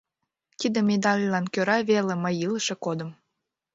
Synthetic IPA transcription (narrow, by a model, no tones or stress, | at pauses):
kid̪ə̆mʲed̪ɑlʲlɑnkøɾɑβeleməjiləʃekod̪ə̆m